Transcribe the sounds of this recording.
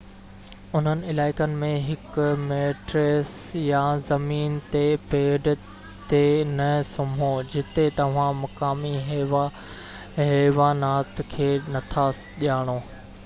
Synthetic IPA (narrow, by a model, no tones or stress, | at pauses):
ʊn̤ənɪ̆ɪlaːɪkənɪ̆mẽɦɪkmeːʈɾeːsjãzɐmiːnt̪epeːɖ | t̪enɐsɐmʱod͡ʑɪt̪et̪ɐʋ̤ãmɐkaːmiɦʋa | ɦeːʋaːnaːt̪kʰeːnɐt̪ʰa | ʄaːɽ̃oː